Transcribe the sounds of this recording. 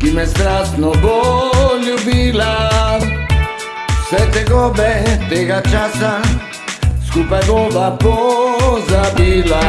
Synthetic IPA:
kimɛst̪ɾasnoboʎubila | sɛt̪ɛɡobɛt̪eɡat͡ʃasa | skupaɡobapozabila

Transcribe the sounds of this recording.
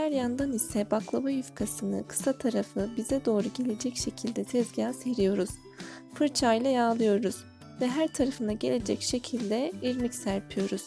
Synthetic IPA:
hæɾjand̪anisɛbaklˠabajyfkʰasɯnɯ̰kʰɯ̥sat̪ʰaɾafɯbizɛd̪o̞ːɾuɟe̞lʲe̞d͡ʒɛcʃe̞cʰilʲd̪ɛt̪ʰɛzɟaːse̞ɾijo̞ɾuz̥ | fɯɾt͡ʃʰajlˠajaːlˠɯjo̞ɾuz̥ | vɛɦæɾt̪ʰaɾafɯnaɟe̞lʲe̞d͡ʒɛcʃe̞cʰilʲd̪ɛiɾmicsæɾpʰijo̞ɾuz̥

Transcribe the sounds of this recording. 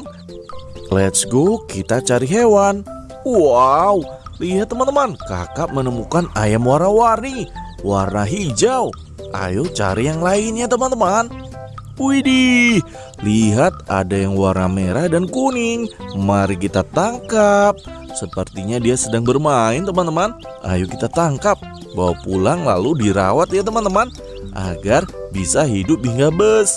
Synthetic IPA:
lɛt̪sɡokit̪at͡ʃaɾiɦewan | wawliɦat̪ːəmant̪əmanka̰kap̚mənəmukanajamwaɾnawarni | warnaɦid͡ʒaw | ʔa̰jot͡ʃa̰ɾijaŋlainɲat̪əmant̪əman | uidi | liɦat̪̚a̰dajaŋwarnameɾahdankunɪŋmaɾikit̪at̪aŋkap̚ | səpərt̪iɲadiasədaŋbərmaɪnt̪əmant̪əman | ʔa̰jokit̪at̪aŋkap̚ | bawapulaŋla̰ludiɾa̰wat̪̚jat̪əmant̪əman | ʔa̰ɡarbisaɦidʊp̚iiŋɡabəs

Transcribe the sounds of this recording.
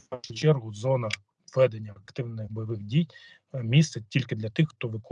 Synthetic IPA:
aʃʊt͡ʃɛrɦʊzɔnɐ | ʋɛd̪enʲːɐɐkt̪ɪwnɪxbɔjɐʋɪɣdʲij | mʲist̪sɛtʲilʲkɪd̪lʲɐt̪ɪxxt̪ɔʋɪk

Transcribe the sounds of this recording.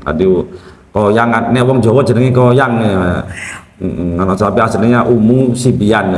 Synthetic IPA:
ka̰di | kojaŋanɛwɔŋ̥d͡ʒɔwɔd̥d͡ʒə̤nəŋikɔjaŋe | ŋanɔsapiasəlnəŋɲaʔumusibian

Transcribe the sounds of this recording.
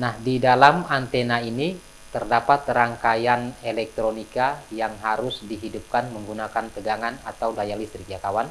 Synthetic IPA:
nahdidalamant̪enaini | t̪ərdapat̪ːɾaŋkajanelɛk̚t̪ɾonikajaŋɦaɾʊsdiɦidup̚kanməŋɡunakanp̪əɡaŋanat̪awlajalist̪ɾikijakawan

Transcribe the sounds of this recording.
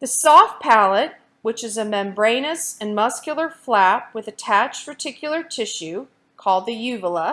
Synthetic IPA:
ðɨsɔfpʰælˠət̚ | wɨt͡ʃɨzɨmɛ̃mbɹẽɪ̃ñɨsɨ̃nmʌskjl̩ˠə˞flæp̚wɨðɨtʰæt͡ʃtɹə˞tʰɪkʰjl̩ˠə˞tʰɪʃʉ | kʰɔlˠd̪̚ðɨjʉvəl̩ˠə

